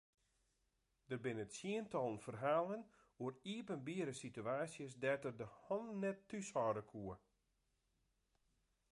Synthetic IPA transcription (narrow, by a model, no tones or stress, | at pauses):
d̥ərbɪnətsiəntʰɔlˠnfərɦaːlˠən | uəriəpənbiəɾəsityaːsjəs̬dɛtərdəhɔnnɛtːyshɔdəkʰuə